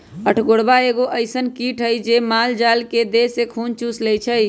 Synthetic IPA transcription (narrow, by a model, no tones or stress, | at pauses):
əʈʰɡoːɽbaeːɡoʔəɪsənkiːʈʰɦəid͡ʒemaːld͡ʒaːlked̪eːsekʰuːnt͡ʃuslejt͡ʃʰəj